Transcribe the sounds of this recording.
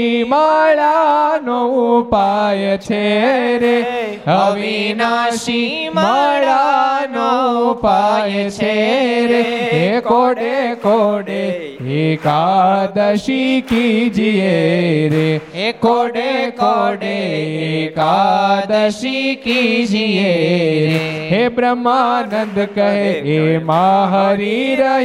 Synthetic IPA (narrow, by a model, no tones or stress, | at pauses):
imaɭanoupajet͡ʃʰeɾe | ɦəəʋinaʃiməɭanopajet͡ʃʰeɾeekoɖekoɖe | ekad̪əʃikid͡ʒieɾekoɖekoɖeekad̪əʃikid͡ʒieɾeɦebɾəmːanə̃nd̪kəɦeemaɦəɾiɾə